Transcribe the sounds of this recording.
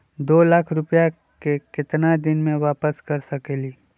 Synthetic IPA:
d̪oːlaːkʰɾʊpja | kekɪt̪nad̪ɪnmẽʋaːpəskɐɾsɐkeliː

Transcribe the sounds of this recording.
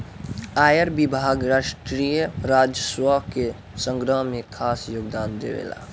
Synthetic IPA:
aːjəɾbibʱaːɡɾaʃʈɾijəɾad͡ʒjəswəke | sə̃ŋɡɾəɦmekʰaːsjoɡd̪aːnd̪ḛʋḛla̰

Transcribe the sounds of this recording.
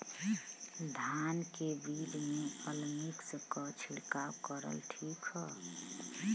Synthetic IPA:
d̪ʱankebid̪meəlmikskɔt͡ʃʰiɽkawkəɾə̰lʈʰikɦɔ

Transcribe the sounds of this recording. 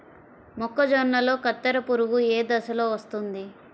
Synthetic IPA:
mɔkːɐd͡ʒɔɾnɐlo̞ːkɐt̪ːɐɾɐpuɾuʋueːd̪ɐsɐloːʋɐst̪und̪i

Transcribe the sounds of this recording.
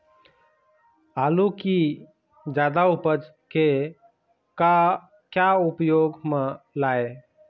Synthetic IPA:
aluki | d͡ʒad̪aupəd͡ʒ | ke | ka | kjaupjoɡme | lae

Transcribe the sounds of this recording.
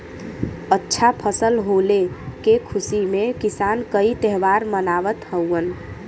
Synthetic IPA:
ətːʃʰapʰəsəlɦolekekʰusimekisankəit̪ɛɦʋaɾmənaʋət̪həwən

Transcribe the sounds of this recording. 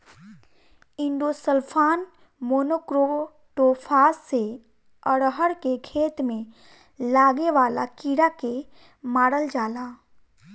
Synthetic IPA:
ɪ̃ɳɖosəlpʰaːn | moːnokɾo | ʈoːpʰaːsːe | əɽɦəɽkekʰeːt̪mẽ | laːɡeʋaːla̰kiːɾake | maːɽəld͡ʒaːlaː

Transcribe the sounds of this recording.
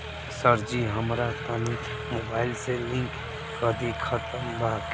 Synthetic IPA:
səɾd͡ʒiɦəmɾat̪əni | mobaːɪlselɪ̃ŋkː | əd̪ikʰət̪əmbak

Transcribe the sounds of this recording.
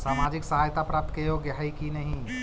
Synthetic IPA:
saːmad͡ʒɪksəɦaːjt̪apɾaːp̚t̪ʰkejoɡaɦaikinəɦĩ

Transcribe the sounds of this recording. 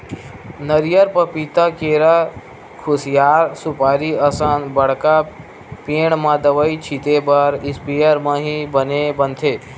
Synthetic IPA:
nəɾjəɾpəpit̪akeɾa | kʰusijaːɾsupaːɾiəsanbɐɽka | peːɳmãd̪əʋəit͡ʃʰit̪ebɐɾispijəɾmãɦibənebənt̪ʰeː

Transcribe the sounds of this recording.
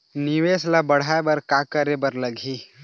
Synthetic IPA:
nɪʋeːslabɐɽ̤aebɐɾkakəɾebɐɾləɡʱi

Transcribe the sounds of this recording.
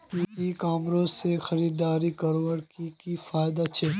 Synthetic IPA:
iːikaːmɾoːzsexɐɾiːd̪aːɾikɐɾʋəɽkikifaːjd̪at͡ʃʰɛː

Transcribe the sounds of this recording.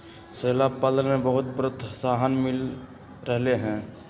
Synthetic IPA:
seːlaːbpaːd̪əlmẽbəɦʊt̪̚pɾət̪ʰsaːɦənmɪl | ɾəɦleɦɛ̃ː

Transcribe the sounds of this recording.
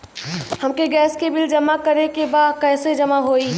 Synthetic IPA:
hɐmkeɡɛːskebɪld͡ʒɐmakəɾekebaːd̪kɛːsed͡ʒɐmaɦoːiː

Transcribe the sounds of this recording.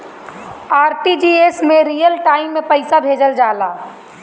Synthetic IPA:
aːɾʈid͡ʒiesmẽɾijəlʈaːɪmːẽpəɪsabʱeːd͡ʒəld͡ʒaːla̰ː

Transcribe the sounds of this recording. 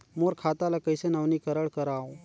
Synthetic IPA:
moːɾkʰaːt̪alakəjsenɐʋnikəɾəɽkɐɾaːõ

